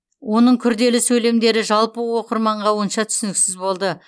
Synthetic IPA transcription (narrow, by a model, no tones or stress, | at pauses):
wo̞nəɴkʲʰʏɾd̪e̞lɪsɵjle̞md̪e̞ɾɪʒɑlˠpəwo̞qəɾmɑɴʁɑwonʃɑt̪ʰʏ̥sɪnɪksɪzbo̞lˠd̪ə